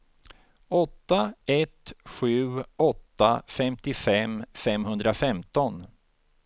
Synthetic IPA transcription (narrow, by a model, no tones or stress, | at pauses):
ɔt̪ːaɛt̪ɧʉ̟ːɔt̪ːafɛmt̪ɪfɛmfɛmhɵnd̪ɾafɛmt̪ɔn